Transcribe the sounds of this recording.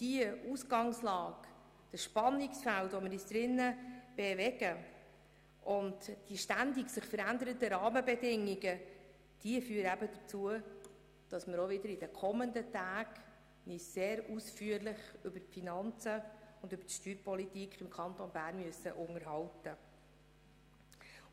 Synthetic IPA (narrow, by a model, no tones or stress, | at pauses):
d̥iəusɡɑŋslɑːk | d̥əsʃpɑnːiksfæltʋoməɾisd̥̪ɾɪnːəb̥evɛɡ̥ə | ʔʊndd̥iʃtændiksɪχfəɾænd̪əɾətəɾɑːməbɛdɪŋːiɡə | d̥iəfyːɾəæbəd̪ət͡suə | d̥ɑsməɾovɪdəɾid̥ɛkʰɔməndətæːɡ | nɪsseːɾusfyːəɾlɪχʏbəɾfinɑnt͡səʊndʏbətʃtyːɾpɔlitikχɪmkʰɑntonbæːɾnmyəsə̰ʔʊŋəɾɦɑltə